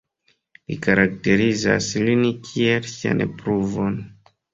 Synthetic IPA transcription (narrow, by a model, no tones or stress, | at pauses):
lḭkaɾak̚te̞ɾiza̰slinkʰielsia̰nepɾuvon